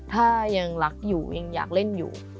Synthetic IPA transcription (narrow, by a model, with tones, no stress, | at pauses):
t̪ʰaː˥˩ja˧ŋla˦˥k̚juː˨˩ja˧ŋja̰ː˨˩k̚le˥˩njṵː˨˩